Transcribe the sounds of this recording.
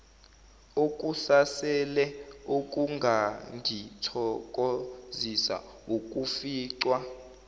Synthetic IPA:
ok̬ʼusasɛlɛok̬ʼuŋɡʱaŋdʱitʰɔk̬ʼozisa̰ | uk̬ʼufiːǀwa

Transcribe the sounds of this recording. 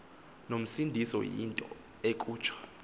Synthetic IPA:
nom̩sindʱisɔ̰jḭntʼɔ̰ | ekʼuːt͡ʃʰwḁ

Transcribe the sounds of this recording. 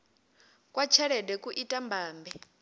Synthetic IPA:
kʼwat͡ʃʰɛɺɛdɛkʼuʔitʼambʱaːmbɛ

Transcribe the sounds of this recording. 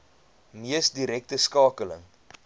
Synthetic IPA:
miəsdiɾɛk̚təskɑːkələ̰ŋ

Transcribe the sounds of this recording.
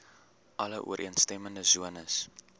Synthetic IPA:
ʔɐləʔṵəɾʔḭənstɛməndəzuənəs

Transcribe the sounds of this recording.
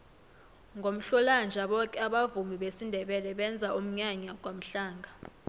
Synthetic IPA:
ŋɡʱom̩ɬɔland͡ʒʱaɓɔkʼɛaɓavumiɓesindʱɛɓɛlɛɓɛnd͡zʱaʔum̩ɲaɲak̬ʼwam̩ɬaːŋɡʱa

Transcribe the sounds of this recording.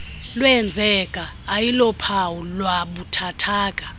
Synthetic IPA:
lwɛnd͡zʱɛkʼaːjilɔpʰawulwaɓutʰatʰaːkʼa

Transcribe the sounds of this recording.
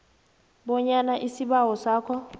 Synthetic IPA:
ɓɔɲanaʔisiɓaɦɔsaːkʰɔ

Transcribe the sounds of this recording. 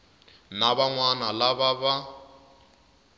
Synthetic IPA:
naβaŋwanalaβaβa

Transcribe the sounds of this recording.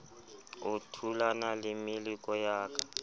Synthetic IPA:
utʰulanalɪmilikʼɔjaːkʼa

